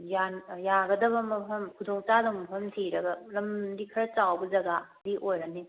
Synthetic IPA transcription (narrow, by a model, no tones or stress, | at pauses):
janjaɡɐdɐbɐmɐpʰɐmkʰudɔŋt͡ʃadɐŋmɐpʰɐmtʰiɾɐɡɐɾɐmdikʰɐɾɐt͡ʃawbɐzɐɡadiʔojɾɐni